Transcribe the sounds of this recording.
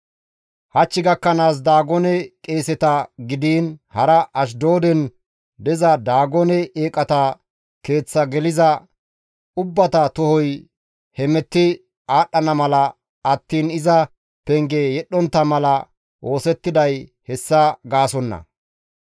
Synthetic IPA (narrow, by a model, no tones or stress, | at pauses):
hɐt͡ʃːɪɡɐkːɐnaːs̬d̪aːɡɔnɛkʼe̞ːsɛt̪ɐɡɪd̪iːnhɐɾɐʔɐʃ̬d̪o̞ːd̪ɛn | d̪ɛzɐd̪aːɡɔnɛeːkʼɐt̪ɐ | ke̞ːt͡sːɐɡɛlɪzɐ | ʊbːɐt̪ɐt̪ɔhɔj | hɛmɛt̪ːɪ | aːɗːɐnɐmɐlɐ | ɐt̪ːiːnɪzɐ | pɛŋɡejɛɗːɔnt̪ːɐmɐlɐ | ʔo̞ːsɛt̪ːɪd̪ɐj | hɛsːɐɡaːsɔnːɐ̰